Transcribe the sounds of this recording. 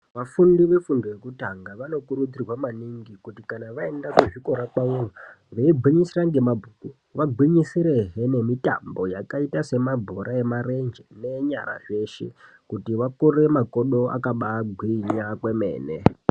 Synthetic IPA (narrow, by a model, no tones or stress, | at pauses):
ʋafundiʋe̞fundojekutaŋɡaʋano̞kuɾud͡zirwamaniŋɡikutikanaʋae̞ndakeʐiko̞ɾakwaura | ʋeibʱwiɲisiraŋɡe̞mabʱuku | ʋaɡʱwiɲisiɾeɦene̞mita̰mbo̞jakaitase̞mabʱoɾʔae̞mare̞nd͡ʒene̞ɲa̰ɾa̰ʐe̞ːʃe̞̰ | kutiʋakure̞mako̞ɗo̞a̰kaɓaɡʱwiɲakwe̞me̞̰ːne